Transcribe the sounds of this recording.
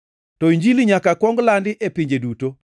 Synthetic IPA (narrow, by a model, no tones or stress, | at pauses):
tɔiɲd͡ʒiliɲakakwɔŋɡlandɪʔepiɲd͡ʒeduto